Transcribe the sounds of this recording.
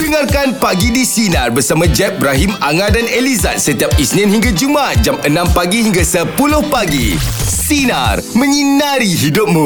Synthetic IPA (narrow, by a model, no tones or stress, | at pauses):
dəŋarkanpaɡidisinarbərsamãd͡ʒɛp̚bɾaɦimaŋadaneliza̰t̪̚sət̪iap̚isnɪ̃nhĩŋɡad͡ʒumat̪̚d͡ʒamənãmpaɡihiŋɡasəpulʊhpaɡḭsina̰rmə̃ɲinaɾiɦidʊp̚mũ